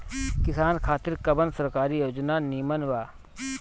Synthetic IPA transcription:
kɪsaːnkʰaːt̪ɪɾkɐbənsɐɾkaːɾijoːd͡ʒnaniːmənʋaː

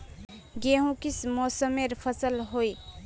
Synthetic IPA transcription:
ɡeɦũkismɔsəmeɾpʰəsəlɦoj

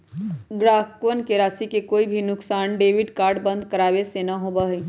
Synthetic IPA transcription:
ɡɾaːkʋənkeɾaːsikekoːibʱinʊksaːnɖeːʋɪɖkaːɾɖbə̃nd̪ʱkəɾaːʋesenaɦoːbaɦi

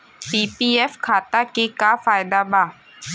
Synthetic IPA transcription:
piːpiːʔefkʰaːt̪akikaːfaːjdaba

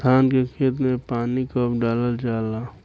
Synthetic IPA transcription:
t̪ʰaːnkekʰeːt̪̬mẽpaːnikəpʰɖaːləld͡ʒaːlaː

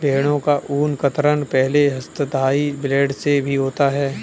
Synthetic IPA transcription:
bʱeːɽ̃õkaʔuːnkət̪ɾənpɛɦleɦɐst̪əd̪ʱaːibleːɖsebʱiɦoːt̪aɦɛː

